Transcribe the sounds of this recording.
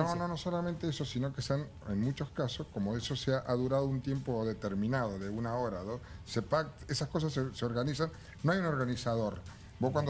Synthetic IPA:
nono̞no̞solamẽnt̪eesosino̞kest̪an | enmut͡ʃo̞skaso̞sko̞moesoseaʔaðuɾað̞ount̪je̞mpoðe̞t̪e̞ɾmĩnað̞o̞ðeunao̞ɾaðosepakt̪esasko̞s̬aseseo̞ɾɣanisanː | oajuno̞ɾɣanisað̞o̞ɾ | boskwand̪o

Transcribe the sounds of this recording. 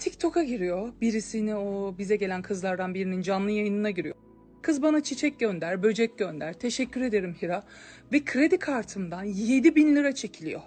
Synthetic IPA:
t̪ʰict̪ʰo̞kaɟiɾijo̞biɾisiniobizɛɟe̞lʲænkʰɯzlˠaɾd̪anbiɾinind͡ʒanlˠɯjajɯnɯnaɟiɾijo | kʰɯzbanat͡ʃʰit͡ʃʰɛc̚ɟø̞nd̪æɾbø̞d͡ʒɛc̚ɟønd̪æɾ̥t̪ʰe̞ʃɛcʰːyɾe̞d̪e̞ɾimhiɾa | vɛkʰɾe̞d̪ikʰaɾt̪ʰɯmd̪anje̞d̪ibinlʲiɾat͡ʃʰe̞cʰilʲijo̰

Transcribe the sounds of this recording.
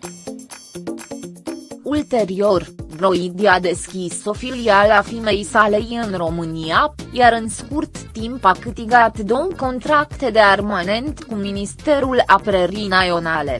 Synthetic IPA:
ult̪e̞ɾio̞rbɾo̞id̪iad̪e̞skʲiso̞filialafime̞jsale̞jɨnro̞mɨniajaɾɨnskurt̪ːimpakɨt̪iɡat̪d̪o̞wko̞nt̪ɾakt̪e̞d̪e̞armane̞nt̪kuminist̪e̞ɾulapɾeɾijnajo̞nale̞

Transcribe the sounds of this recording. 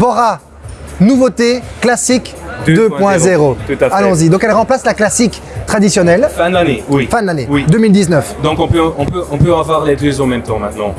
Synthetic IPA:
vɔʁa | nuvot̪eklasikd̪d̪øpwpwɛ̃zeʁot̪ut̪afalɔ̃zid̪ɔ̃kɛlʁɑ̃plaslaklasik | t̪χad̪isjɔnɛlfãanewifãnlanewid̪ømild̪iznœfd̪ɔ̃kɔ̃pøɔ̃pøʔɔ̃pøɑ̃vwaʁled̪øzomɛmt̪ɑ̃mɛ̃t̪̚nɑ̃

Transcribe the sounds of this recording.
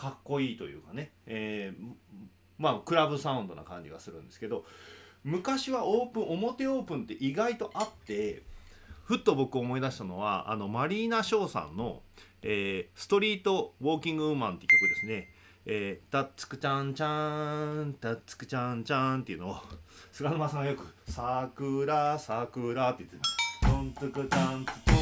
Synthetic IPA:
kakːo̞iːt̪o̞jɯ̟̰ːkane̞eː | maːkɯ̟ɾabɯ̟saɯ̟̃nd̪o̞na̰kã̰ɲ̟d͡ʑḭɡasɨɾɯ̟̃nd̪e̞sɨ̥ke̞d̪o̞mɯ̟kaɕiβaʔoːpɯ̟̃ɰ̃o̞mo̞t̪e̞o̞ːpɯ̟̃nt̪e̞ʔiɡait̪o̞ʔat̪ːe̞ | ɸɯ̟t̪ːo̞bo̞kɯo̞mo̞id̪aɕi̥t̪ano̞βa̰a̰no̞maɾʲiːnaɕo̞ːsã̰nːo̞̰eːsɨ̥t̪o̞ɾʲiːt̪o̞βo̞ːkʲĩŋɡɯɯmãnt̪ekʲːokɯ̟d̪esɨne̞ | eːt̪at͡sɨ̥kɯ̟̥t͡ɕãɲt͡ɕã | t̪at͡sɨ̥kɯ̟̥t͡ɕãɲt͡ɕãnt̪e̞iɯ̟nosɨɾanomasãŋɡajo̞kɯ̟sakɯ̟ɾasakɯ̟ɾat̪ːei̥t̪ːeont͡sɨkɯtant͡sɨ̥

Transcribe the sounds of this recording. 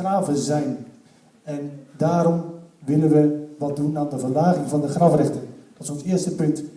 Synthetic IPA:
raːvəzɛjn | ɛndaːɾɔmʋɪlənʋəʋɔt̚dunaːndəvərlaːɣɪŋvɔndəχrɑfrɛxtənd̥ɔtɪ̥sõnsɪəstəpɵnt

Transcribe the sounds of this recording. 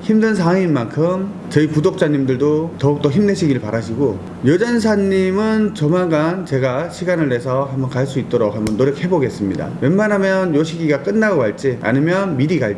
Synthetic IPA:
çimdɯns̬ʰaaŋinmankʰɯm | t͡ɕʌipudok̚t͡ɕ͈aɲimdɯɭdotʌuk̚t͈oçimne̞ɕʰiɡiɾɯɭpaɾaɕʰiɡo | jʌd͡ʑans̬ʰaɲːimɯnt͡ɕʌmaɡant͡ɕe̞ɡaɕʰiɡanɯɭːe̞sʰʌhambʌnkaɭs͈uit̚t͈ʌɾokɦambʌnːoɾjʌkhe̞boɡe̞s͈ɯmɲida̰menmanɦamjʌnjoɕʰiɡiɡak͈ɯnːaɡoaɭt͡ɕ͈ia̰nɯmjʌnmiɾiɡaɭ

